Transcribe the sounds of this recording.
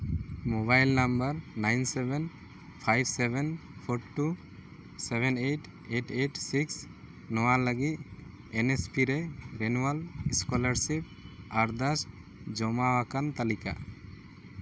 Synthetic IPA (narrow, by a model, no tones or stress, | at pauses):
mobajlnambəɾnajnsɛbɛn | pʰajbsebɛnpʰoɾʈːu | sebɛneʈ | eʈeʈsiks | nɔwaləɡit̪̚ | enespiɾeɾenuwalskɔlaɾsip̚aɾd̪as | d͡ʒɔmawakant̪alika̰